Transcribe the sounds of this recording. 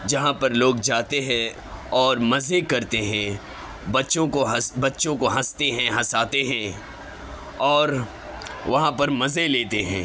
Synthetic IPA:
d͡ʒɐɦãpɐɾloːɡd͡ʒaːt̪eɦɛ̃ | ɔːɾmɐzekɐɾt̪eɦɛ̃ | bɐtːʃõkoɦɐsbɐtːʃõkoɦɐst̪eɦɛ̃ɦɐsaːt̪eɦɛ̃ː | ɔːɾ | ʋɐɦãpɐɾmɐzeleːt̪eɦɛ̰̃ː

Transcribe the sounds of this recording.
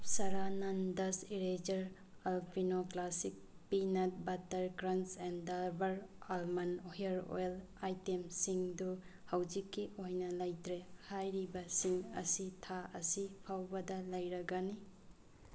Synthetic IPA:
sɐɾanandɐsiɾed͡ʒɐɾ | ɐlpʰinoklasik̚ | pinɐt̚bɐtːɐɾkɾɐnsendɐɾbɐɾɐlmɐnojɐɾo̰jl | ajtemsiŋduhawd͡ʒikːiʔojnɐlɐjtɾehajɾibɐsiŋɐ̰sitʰaʔɐsipʰawbɐdɐlɐjɾɐɡani

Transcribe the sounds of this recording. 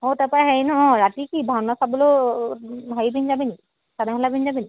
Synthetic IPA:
otapaaɦɛjnɔɔ̃ɹatikibʱawnasabɔlo | ɦɔjbinzabini | sadakʰɔlabinzabini

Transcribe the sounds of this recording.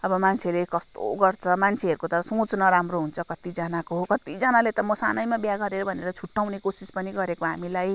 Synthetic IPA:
ʌbʌmant͡sʰelekʌst̪o̰ɡʌrt͡sʰʌmant͡sʰeɦʌɾukot̪ʌɾʌsõt͡snʌɾamroɦunt͡sʰʌkʌt̪id͡zanakoɦokʌt̪id͡zʌnalet̪ʌmʌsanʌjmabjaɡʌɾeɾʌbʱʌneɾʌt͡sʰuʈːawnekosispʌniɡʌɾekoɦamilaj

